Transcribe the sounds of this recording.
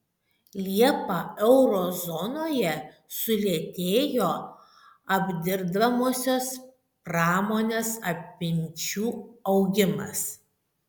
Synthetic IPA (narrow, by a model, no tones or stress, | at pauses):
lʲiɛpɑɛʊɾoːzɔnoːjɛ | sʊlʲiɛt̪ʲeːjoː | ɐbʲd̪ʲɪɾd̪ɐmoːsʲoːs | pɾɑːmoːnʲeːsɐpʲɪnʲt͡ʃʲuːɐʊɡʲɪmɐ̰s